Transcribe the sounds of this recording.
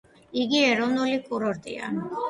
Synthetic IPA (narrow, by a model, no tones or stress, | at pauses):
iɡiɛɾɔvnulikʼuɾɔɾt̪ʼḭa̰n